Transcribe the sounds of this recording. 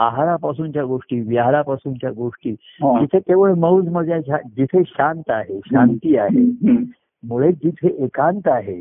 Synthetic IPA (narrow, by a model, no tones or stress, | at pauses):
aɦaɾapasuːnt͡ɕjaɡoʂʈiːʋjaɦaɾapasuːnt͡ɕjaɡoʂʈiː | ɦd͡ʑit̪ʰet̪eʋəɭməwd͡zməd͡zjaɕad͡ʑit̪ʰeɕãnt̪aɦeɕãnt̪iːaɦe | muɭed͡ʑit̪ʰeʔekãnt̪aɦe